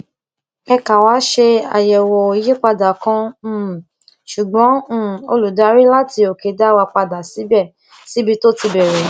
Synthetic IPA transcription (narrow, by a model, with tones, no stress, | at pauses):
ɛ˧ka˨wa˨˦ʃe˧a̰˨jɛ˨wɔ˨o˨˦je˦k͡pa˧da˨kã˧˦˨ | ʃu˨ɡ͡bɔ̃˨˦˨o̰˧lu˨da˨˦ɾi˦la˦ti˧o˨ke˨˦da˦wa˧k͡pa˧da˨si˨˦bɛ˦˨ | si˨˦bi˧to˦ti˧bɛ˨ɾɛ˨